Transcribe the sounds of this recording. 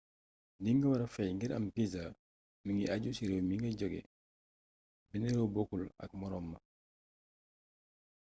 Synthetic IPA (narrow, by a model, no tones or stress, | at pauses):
diŋɡɐwɐɾɐfɛjŋɡiɾɐ̰mpiza | miŋɡiaɟusiɾɛwmiŋɡɐɟɔɡɛ̰ | bɛnɛɾɔbokːulɐ̰k̚mɔɾɔmːɐ